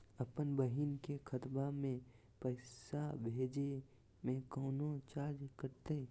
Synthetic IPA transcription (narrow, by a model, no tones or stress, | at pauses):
əpənbəɦinkekʰət̪bamẽ | pəɪsabʱeːd͡ʒe | mẽkɔːnot͡ʃaːd͡ʒkəɾt̪e